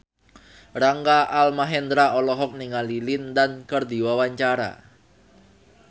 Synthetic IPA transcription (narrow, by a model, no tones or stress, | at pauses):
ɾaŋɡaʔalmaɦɛnd̪ɾaɔlɔɦɔk̚niŋalilɪndankərd̪iwawaɲt͡ʃaɾa̰